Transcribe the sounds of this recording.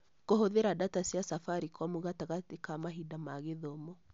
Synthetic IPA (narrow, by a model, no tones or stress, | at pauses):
koɦoðeɾadatasjasafaɾikɔmoɣataɣatekamaɦidamaɣeðɔmɔ